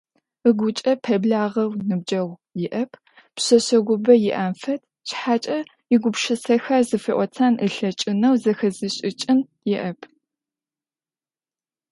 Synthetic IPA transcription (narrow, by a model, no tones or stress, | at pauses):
ɨɡʷʊt͡ʃʼɐpʰɐbɮaːʁɐwnɨb̚d͡ʒɐʁʷjɪʔɐpʰ | pɕɐɕɐɡʷʊbɐjɪʔaːmfɐtʰ | t͡ʃħaːt͡ʃʼɐ | jɪɡʷʊpʃɐsɐxɐrzɨfiʔʷɔt͡sʰaːnʔɨɬɐt͡ʃʼɪnɐwzɐxɐzɨɕʼɪt͡ʃʼɪn | jɪʔɐpʰ